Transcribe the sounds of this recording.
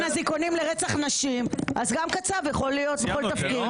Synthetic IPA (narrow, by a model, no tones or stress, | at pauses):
naziko̞nimleʁet͡saχnaʃimazɡamkat͡savjaχo̞lijo̞t̪veo̞lt̪afkid̪